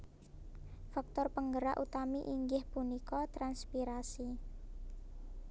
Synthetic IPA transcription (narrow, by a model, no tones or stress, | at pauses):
fak̚t̪ɔrpəŋɡəɾa̰ʔut̪amiʔiŋɡɪhpunikɔt̪ɾanspiɾasi